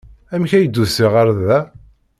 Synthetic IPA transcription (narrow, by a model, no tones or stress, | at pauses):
æmçæjəd̪ːusiʁaɾðæ